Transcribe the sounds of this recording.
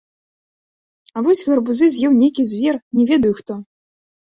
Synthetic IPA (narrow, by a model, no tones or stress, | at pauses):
avɔsʲɣɛrbuzɨzʲjɛwnʲejkʲizʲvʲɛrnʲɛvʲɛd̪ɐjuxt̪ɔ